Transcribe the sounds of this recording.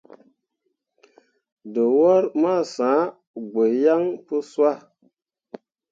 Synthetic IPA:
də˨wɔ˦ɾma˦˨sã˨˦ | ɡe˨ja˦ŋpɨ˦swa˦˨

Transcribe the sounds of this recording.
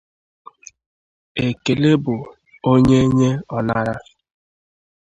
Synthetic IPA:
e˨ke˨le˦bʊ˨ | o˦ɲe˦ɲe˦ɔ˨na˦ɾa˦

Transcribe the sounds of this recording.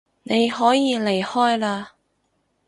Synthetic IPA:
ne˨˧jɦɔː˨˥jiː˨˧le˨˩jhɔː˥jlaː˧

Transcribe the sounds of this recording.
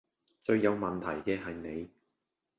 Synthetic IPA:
t͡ʃɵ˨˧ɥjɐ˨˧wmɐ˨nt̪ʰɐ˨˩jkɛː˧ɦɐ˨jne˨˧j

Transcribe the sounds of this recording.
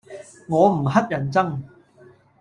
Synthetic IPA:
ŋɔː˨˧m̩˨˩hɐ˥t̚jɐ˨˩nt͡sɐ˥ŋ

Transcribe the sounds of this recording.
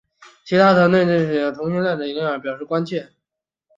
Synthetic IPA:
t͡ɕʰi˧˥t̪ʰa˥t͡s̪ʰɤ˧˥ŋt̪we˥˧ɪʈ͡ʂɤ˥˧ɪɕɛ˥˩t̪ʰʊ˧˥ŋɕi˥nlja˥˩nʈ͡ʂ̪ə˩i˧˥ŋ˥˩ə˞˧˥˩pjɑ˨˩ʊʂɻ̩˥˩kwa˥nt͡ɕʰjɛ˥˩

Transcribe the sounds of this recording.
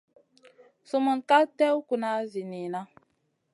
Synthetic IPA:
su˦mu˨ka˦tɛ˦wku˨na˨˦zi˨ni˨na˦

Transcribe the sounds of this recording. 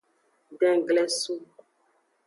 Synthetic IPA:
ɖɛ̃˦˨ɡlɛ˦su˦

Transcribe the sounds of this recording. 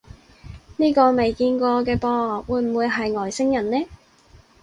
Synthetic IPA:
niː˥kɔː˧me˨jkiː˧nkɔː˧kɛː˧pɔː˧ŋŋɔː˨˩k̚wuː˨˧jm̩˨˩wuː˨˧jɦɐ˨jŋɔː˨˩jsɪ˥ŋjɐ˨˩nlɛː˥

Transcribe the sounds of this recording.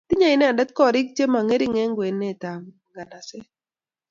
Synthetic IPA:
t̪ɪ˦ɲa˦ɪ˨˦nɛ˦a˨da˦t̪̚kɔ˦ɾɪ˦k̚t͡ʃe˦ma˨ŋe˦ɾi˦ŋɛ˦ŋɡwe˨nːɛ˦˨t̪a˨m | ɡa˨na˨sɛ˦

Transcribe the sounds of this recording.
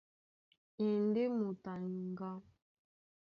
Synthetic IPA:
e˨n˦de˦mu˨ta˨ŋɡa˦

